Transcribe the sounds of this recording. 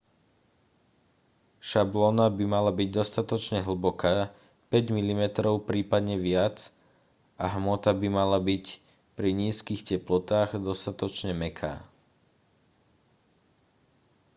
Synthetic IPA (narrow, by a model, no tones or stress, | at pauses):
ʃablɔnabimalabiɟd̪ɔst̪at̪ɔt͡ʃɲɛɦl̩ˠbɔkaː | pɛɟmilimɛt̪ɾɔʊpɾiːpad̪ɲɛʋɪat͡s | ʔaɦmɔt̪abimalabic | pɾiɲiːskiːxcɛplɔt̪aːɣd̪ɔst̪at̪ɔt͡ʃɲɛmɛkʰa̰ː